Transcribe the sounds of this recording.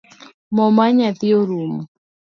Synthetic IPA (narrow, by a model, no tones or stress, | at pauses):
mɔmaɲat̪ɪoɾum